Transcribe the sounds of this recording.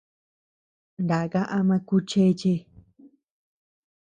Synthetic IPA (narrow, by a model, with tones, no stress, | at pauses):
nd̪a˨ɣa˦ʔa˦mã˧ku˦t͡ʃe˦˧t͡ʃe˦